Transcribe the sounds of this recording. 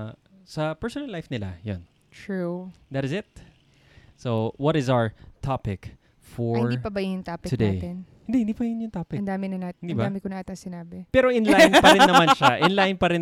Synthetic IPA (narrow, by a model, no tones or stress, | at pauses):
sɐpɛɹsonɐlːajfnɪla̰jo̰n | t̪ɹud̪ɐt̪ɪzɪt̪̚ | sowɔt̪ɪzawə˞t̪ʰapɪk | fɔɪnɹipɐbɐjɪnjʊŋt̪aːpɪkt̪ʊnd̪ejt̪ɪn | hɪnd̪ihɪnd̪iːpɐjʊnjʊŋt̪apɪɐnd̪aːmɪnɐnat̪nd̪inːb̪aːmɪkonaːt̪ɪɐŋsɪnaːbɪpɛːɾoʔɪnlajnpɐɪnːɐmanʃaʔɪnlajnpɐɾɪn